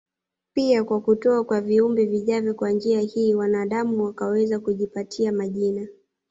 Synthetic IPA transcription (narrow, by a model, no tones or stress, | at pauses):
piakwakutɔakwaviumbɛviʄavjɔkwand͡ʒiahiːwanaɗamuwakawɛzakuʄipatʰiamaʄina